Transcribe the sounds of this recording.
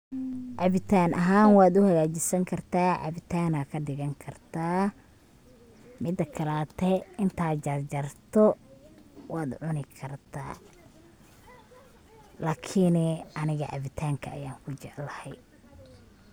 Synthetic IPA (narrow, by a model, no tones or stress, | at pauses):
ʔɐβɪt̪ʰaːnɐɦaːnwaːd̪ʊhɐɣaːt͡ʃɪsɐŋkʰɐrt̪ʰaːʔɐ̰βɪt̪ʰaːnaːkʰɐd̪ɪɣɐŋkʰɐrt̪ʰaː | mɪd̪ɐkʰɐlaːt̪ʰɛɪnt̪ʰaːd͡ʒɐrd͡ʒɐrt̪ʰɔ | waːd̪ʕʊnɪkʰɐrt̪ʰa̰ː | laːkʰɪnɛʔɐnɪɣɐʔɐ̰βɪt̪ʰaːŋkʰɐɐ̰jaːŋkʰʊt͡ʃɛʕlɐhɛj